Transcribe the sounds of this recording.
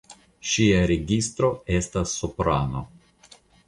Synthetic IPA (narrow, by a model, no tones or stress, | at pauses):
ʃiaɾeɡist̪ɾo̞e̞stasːupɾano̞̰